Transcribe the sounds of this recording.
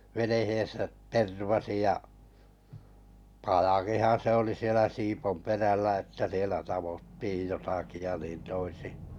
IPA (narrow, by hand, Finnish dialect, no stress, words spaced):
ʋenehen̞sæt terʋɑsi jɑ pɑjɑkihɑn̞ se oli sielæ siːpomperælːæ etːæ sielæ tɑʋotːiːj jotɑki jɑ niːn toisi